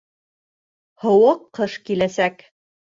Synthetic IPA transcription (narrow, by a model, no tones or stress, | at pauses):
hŏwɤqːɤʃkilæsæk